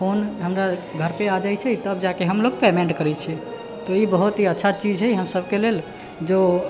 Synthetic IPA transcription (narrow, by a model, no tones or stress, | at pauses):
pʰonɦəmɾaɡʱəɾpead͡ʒajt͡ʃʰɛit̪əb̚d͡ʒakeɦəmloɡpemeɳʈkəɾɛt͡ʃʰɛ | t̪ɔibəɦut̪ɦiətːʃʰat͡ʃid͡ʒɦɛjɦəmsəbkelel | d͡ʒo